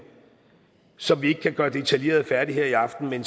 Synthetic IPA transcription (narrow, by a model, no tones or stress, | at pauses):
sɒ̽mʋie̝ɡ̥ə̥kʰæɡ̥ɶːɐd̥e̝t͡sʰælje̝̰ɐð̞̩ˠfæɐd̥iɦe̝ɐiɑ̈fd̥n̩men